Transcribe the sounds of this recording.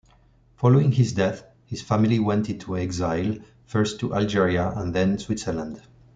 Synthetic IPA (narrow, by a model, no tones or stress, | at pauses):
fɔloɪ̃ŋhɪzdɛθ | hɪz̥fæmiliwɛ̃ntɪ̃ntʰuɛɡzaɪlˠ | fɜ˞stʰːuʔald͡ʒɛɹiaʔə̃nðɛ̃nswɪtsə˞lãnd